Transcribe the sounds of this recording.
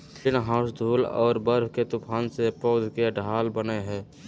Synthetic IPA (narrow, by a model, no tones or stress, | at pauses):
t͡ʃɪnɦãːsd̪ʱuːlɔ̰ːɾbəɾɦket̪ʊpʰaːnsepɔːd̪ʱkeɖʱaːlbəneɦɛ̃ː